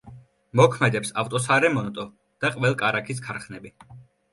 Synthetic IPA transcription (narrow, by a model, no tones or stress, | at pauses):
mɔkʰmɛd̪ɛpsaft̪ʼɔsaɾɛmɔnɔt̪ʼɔ | d̪̥aqʼvɛlˠkʼaɾakʰiskʰaɾχnɛbi